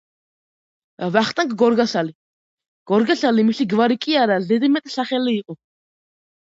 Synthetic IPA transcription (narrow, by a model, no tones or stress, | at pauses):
vaχt̪ʼaŋkʰʼɡɔɾɡasali | ɡ̥ɔɾɡaɬalimiɬiɡvaɾikʼiaɾazɛd̪imɛt̪ʼɬaχɛliːqʼɔ